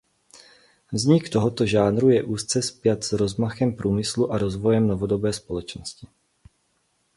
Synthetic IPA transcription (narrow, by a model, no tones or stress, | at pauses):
vzɲɪkt̪o̞ɦot̪o̞ʒaːnɾujɛʔuːst͡sɛspjat̪z̥ɾo̞zmaxɛmpɾuːmɪsluʔaɾozvo̞jɛmnovodo̞bɛːspo̞lɛt͡ʃnoscɪ